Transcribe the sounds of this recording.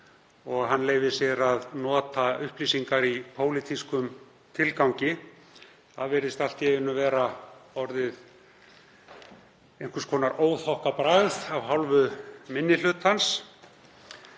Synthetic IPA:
ɔɣɦanːleːjvɪsjɛɾaðnɔːt̪aʏhpliːsiŋkaɾipʰoːwlit̪iskʏm | t̪ʰɪlkawɲcɪ | θaðvɛɾɪst̪al̥t̪jɛɣɪnːʏvɛːɾaɔɾðɪð | ejŋ̥kʏɾskʰɔːnaɾoːwθɔhkapɾaɣðavɦawlvʏmɪnːɪl̥ʏt̪hans

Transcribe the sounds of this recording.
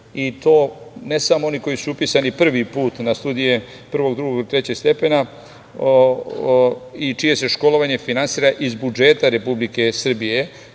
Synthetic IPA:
it̪o̞ːne̞samoo̞niko̞jisuupisanipr̩ʋipuːt̪nast̪uːd̪ije̞ | pr̩ʋo̞ɡd̪ɾuɡoɡt̪ɾe̞t͡ɕe̞ɡst̪e̞pena | it͡ʃije̞se̞ʃko̞lo̞ʋaɲe̞finansiːɾaʔizbud͡ʒe̞t̪aɾe̞publike̞sr̩bije

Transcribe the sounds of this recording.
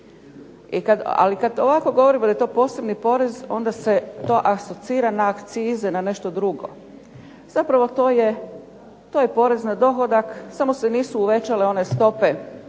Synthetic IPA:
ikad̪a̰likad̪oʋako̞ɡo̞ʋo̞ɾimd̪ajet̪o̞ːpo̞ːse̞bnipo̞ɾe̞zo̞nd̪ase̞t̪o̞ːʔaso̞t̪siːɾanaːkt̪siːzenane̞ʃt̪o̞d̪ɾuɡo̞̰ | z̥apɾaʋo̞t̪oːje | t̪oje̞po̞ɾe̞znad̪o̞xo̞d̪aksamo̞seniːsuːʋe̞t͡ʃaleo̞ne̞st̪o̞pe̞

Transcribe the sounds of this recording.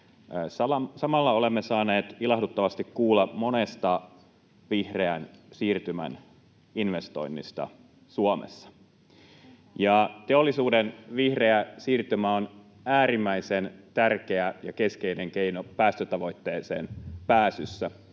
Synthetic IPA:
sɑlɑsɑmɑlːɑolemːesɑːne̞ːt̪ilɑhdut̪ːɑʋɑst̪ikkuːlːɑmo̞nest̪ɑ | ʋihreænsiːrt̪ymæ̰n | inʋest̪o̞̰inːist̪ɑ̰ | suɑmḛsːɑ̥ | jɑt̪eo̞lːisuːdenʋihreæsiːrt̪ymæːon | æːɾimːæisent̪ærke̞æjɑke̞ske̞ineŋke̞inopæːst̪øt̪ɑʋo̞jt̪ːe̞ːsḛːnpæːsysːæ

